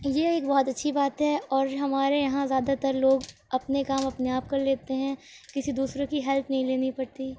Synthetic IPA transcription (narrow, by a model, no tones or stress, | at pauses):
jeːeːk̚bɔɦɔt̪ɐtːʃʰibaːt̪ɦɛɔːɾɦɐmaːɾejɐɦãzjaːd̪at̪ɐɾloːɡ | ɐpnekaːmɐpneaːp̚kɐɾleːt̪eɦɛ̃ | kɪsid̪uːsɾẽkiɦɛlt̪ʰnɐɦĩleːnipɐɽt̪i